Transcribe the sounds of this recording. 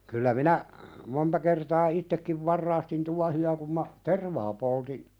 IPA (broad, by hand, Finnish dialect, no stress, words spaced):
kylːæ minæ montɑ kertɑː itːekːiʋ ʋɑrːɑːstin tuɑhiɑ kum mɑ terʋɑː polti